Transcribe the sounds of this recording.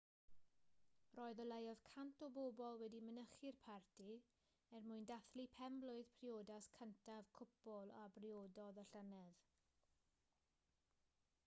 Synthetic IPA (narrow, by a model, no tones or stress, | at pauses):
rɔːɨðɔlˠejɔð̥kʰantʰɔbobɔlˠwɛdimənəχɪrpʰartʰi | ɛrmʊɨndaθlipʰɛmblˠʊɨð̥pʰrioːdaskʰəntʰavkʰʊpɔlˠa̰brioːdɔðəɬənɛð